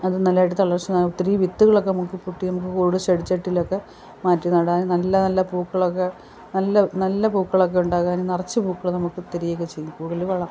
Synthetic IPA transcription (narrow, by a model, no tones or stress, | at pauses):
ɐðɨnɐlːaːjiʈ̬ːɨt̪ɐɭɐrt͡ɕːɨnɐt̪ɾiːʋit̪ːuɣɐɭo̞kːenɐmukːɨpuʈːinɐmuk̬ːɨkoːɽɨɕeɽit͡ɕːeʈːilokːe̞ | maːtːunɐɽaːnnɐlːɐnɐlːɐpuːkːɐɭokːe | nɐlːɐnɐlːɐpuːkːɐɭok̬ːe̞uɳɖaːɣaːnnɐrɐt͡ɕːɨpuːkːɐɭnɐmukːɨt̪iɾijekːet͡ɕejːupuːkːɐɭiʋɐɭɐ